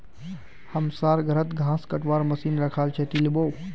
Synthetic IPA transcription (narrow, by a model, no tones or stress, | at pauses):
hɐmsaːɾɡʱəɾət̪ɡʱãːskɐʈʋaːɾmɐsiːnɾɐkʰaːlt͡ʃʰet̪ilɪboː